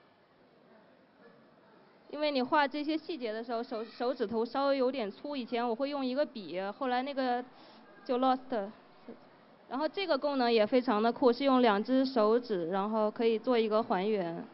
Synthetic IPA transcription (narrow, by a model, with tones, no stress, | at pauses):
ḭ˥nwe˥˩ɪni˨˩xwa˥˧ʈ͡ʂɤ˥˩ɕ̬jɛ˥ɕi˥˩t͡ɕjɛ˧˥d̪ə˧ʂɻ̩˧˥xo˥˧ʂo˧˥ʊʂo˧˥ʊʈ͡ʂɻ̩˨˩t̪ʰo˧˥ʊʂɑ˥ʊwe˧˥ɪjo˧˥ʊt̪̬jɛ˨˩nt͡sʰu˥i˨˩t͡ɕʰjɛ˧˥nwɔ˨˩xwe˥˧ɪjʊ˥˩ŋi˧˥ɡə˧pi˨˩xo˥˩ʊla˧˥ɪna˥˩ɡə˩ | t͡ɕjo˥˧ʊlɔ˥˩st̪ʰə˧˩˥ | ɻa˧˥nxo˥˧ʊʈ͡ʂɤ˥˩ɡə˩kʊ˥˩ŋnɤ˧˥ŋjɛ˨˩fe˥ɪʈ͡ʂʰɑ˧˥ŋd̪ə˧kʰu˥˩ʂɻ̩˥˧jʊ˥˩ŋljɑ˨˩ŋʈ͡ʂɻ̩˥ʂo˧˥ʊʈ͡ʂɻ̩˨˩ɻa˧˥nxo˥˩ʊkʰɤ˧˥i˨˩t͡swɔ˥˩i˧˥ɡə˧xwa˧˥nɥɛ˧˥n